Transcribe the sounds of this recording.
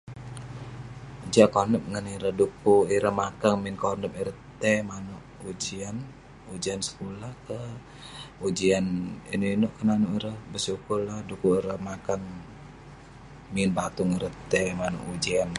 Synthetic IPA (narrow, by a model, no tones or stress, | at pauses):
d͡ʒakonəp̚ŋəniɾəhdukuiɾəhmakaŋminkonəp̚iɾət̪ɛmanuʔud͡ʒian | ud͡ʒiansə̥kulahkə | ud͡ʒianḭnuinoʔkənanuʔiɾəhbəsukurlahdukuiɾəhmakaŋ | minbat̪uŋiɾət̪ɛmanṵʔud͡ʒian